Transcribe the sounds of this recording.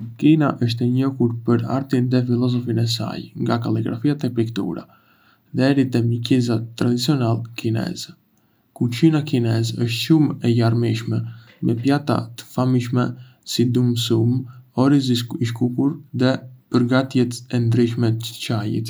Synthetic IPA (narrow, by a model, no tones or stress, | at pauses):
kinaʔəʃ̬t̪ɛɲɔkuɾpəɾa̰ɾt̪inðɛfilɔzɔfinɛs̬a̰jŋɡakaliɡɾa̰fiat̪ɛpɾikt̪ṵɾa̰ | ðɛɾit̪ɛmikizat̪ːɾad̪it͡siɔnalkʰinɛ̰z | kut͡ʃinakinɛzəʃt̪ʃumɛjaɾmiʃmɛ | mɛpjat̪a̰t̪ə̥famiʃ̬mɛ | sid̪umsumɔɾiz̬iiʃkukuɾðɛpəɾɡat̪jɛt̪ɛnd̪ɾiʃ̬mɛ̥t͡ʃajḭt̪